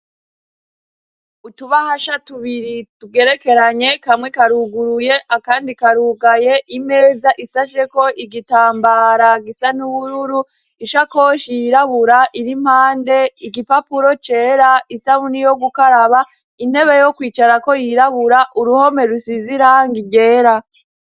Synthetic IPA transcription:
utuβahaʃatuβiɾituɡe̞ɾe̞ke̞ɾaɲe̞kamŋekaɾuɡuɾuje̞ʔakaːndikaɾuɡaje̞ʔime̞ːzaʔisaʃe̞ko̞ʔiɡitaːmbaɾaɡisanuβuɾuɾu | iʃako̞ʃijɾaβuɾaʔiɾim̥haːnde̞iɡipapuɾo̞t͡ʃe̞ːɾaisaβunijo̞ɡukaɾaβa | inhe̞βejo̞kwiːt͡ʃaɾako̞jiɾaβuɾaʔuɾuho̞me̞ɾusiziɾaŋɡiɟe̞ːɾa

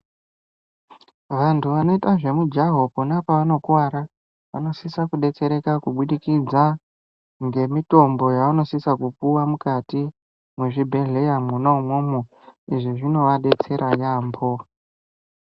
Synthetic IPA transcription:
ʋantʰuʋano̞itaʐe̞mud͡ʒaɦokunapaʋano̞kwaɾa | ʋa̰no̞sisakuɗe̞t͡se̞ɾe̞kakuɓuɗikid͡za | ŋɡe̞mito̞mbo̞jauno̞sisakupuwamukati | mweʐibʱe̞ɮe̞jamunaumwo̞mo | iʐiʐino̞ʋaɗe̞t͡se̞ɾʔajaːmbo̞

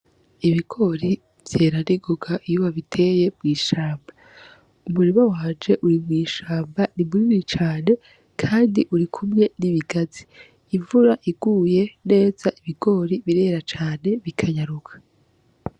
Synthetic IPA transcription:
iβiɡo̞ːɾi | v̥je̞ːɾaniɡoɡaʔijuβaβitʰe̞ːje̞mɡiːʃaːmba | umuɾimawaːnd͡ʒe̞ʔuɾimwiːʃaːmbanimuɾiiɾit͡ʃaːne̞ | kʰaːndiʔuɾikʰumɲe̞niβiɡazi | ivuɾaʔiɡ̥uːje̞ne̞ːz̥aʔiβiɡ̥o̞ɾiβiɾe̞ːɾat͡ʃaːne̞βikʰaɲaɾukʰḁ

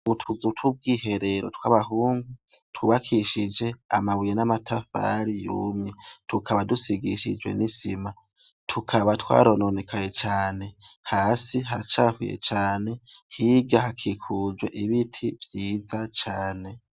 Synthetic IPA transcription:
uβutʰuzutwub̚ɡiːhe̞ɾe̞ɾotwaβaɦuːŋɡu | twuβakʰiʃid͡ʒe̞a̰maβujenamatʰafa̰ɾijṵmɲetʰukʰaβadusiɡiʃḭd͡ʒɡwḛnisima | tʰukʰaβatwa̰ːɾono̞nekʰajet͡ʃaːne̞haːsiɦaɾit͡ʃaːfujḛt͡ʃaːne̞hiːɡahakʰikʰuzweʔiβitʰivjiːzat͡ʃaːne̞

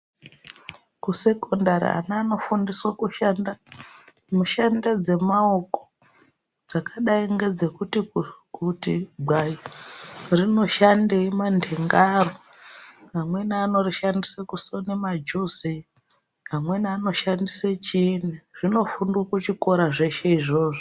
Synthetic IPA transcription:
kuse̞kondaɾḭa̰naːno̞fundiswakuʃanda | muʃandad͡ze̞maoko̥ | d͡zakaɗaiŋɡe̞d͡ze̞kutikutiɡ͡bʱai | rino̞ʃandeimandʱeŋɡaro | ɦamwe̞naːno̞riʃandisakuso̞nemad͡ʒuzi | amwe̞naano̞ʃandiset͡ʃineʐ̥ino̞fundwokut͡ʃiko̞ɾaʐe̞ʃe̞iʐo̞ːʐo

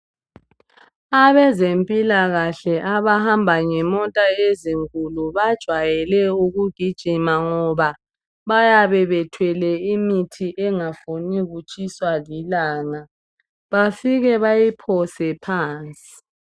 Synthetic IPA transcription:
aβɛzempʼilaɣaɬɛʔaβahambʱaŋɛmɔtʼaeziŋkʼuluβad̥ʒ̥ʱwajɛlɛuɣuɡ̥ʱid̥ʒ̥ʱimaŋɔβa | βajaβɛβɛtʰwɛlɛimitʰiʔɛŋafoniɣut͡ʃʼiswalilaːŋa | βafiɣɛβajipʰɔsɛpʰaːnt͡sʼi̥

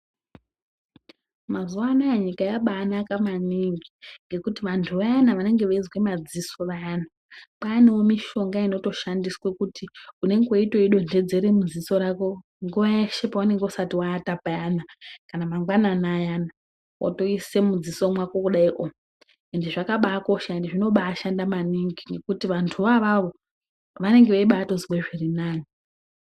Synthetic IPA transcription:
mazuanoaɲikajaɓaːnakamaniŋɡiŋɡe̞kutiʋantʰuʋajanaʋane̞ŋɡe̞ʋaizwe̞mad͡ziso̞ʋaan̤u | paːniwomiʃo̞ŋɡaino̞to̞ʃandiswekutiune̞ŋɡeoito̞iɗo̞nde̞d͡ze̞ɾemud͡ziso̞ɾako̞ | ŋɡojaʃepaune̞ŋɡeusatiwaːtapajanakanamaŋɡwananajana | wa̰to̞ise̞mud͡ziso̞mwakokuɗaiʔo | endiʐakaɓaːko̞ʃaendiʐino̞ɓaːʃandamaniŋɡiŋɡe̞kutiʋantʰuʋaʋaʋo̞ | ʋane̞ŋɡe̞ʋeiɓato̞zikweʐirinaːni

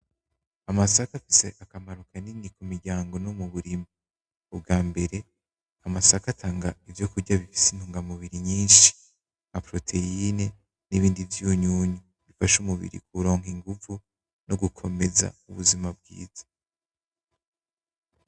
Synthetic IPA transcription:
amasakafise̞ʔakamaɾukʰaninikumiɾɟaːŋɡo̞nomuβuɾimi | ub̚ɡaːmbe̞ɾe̞ | amasakatʰaːŋɡaivjo̞kuɾɟaβifi̥sinuːŋɡamuβiɾiɲiːnʃi̥ | ŋ̥apɾo̞tʰe̞ine | niβiːndivjuɲuːɲu | βifaʃumuβḭɾḭkʰuɾo̞ːŋhiŋɡuvu | noɡukʰo̞me̞za̰uβuzimab̚ɡḭːz̥ḁ

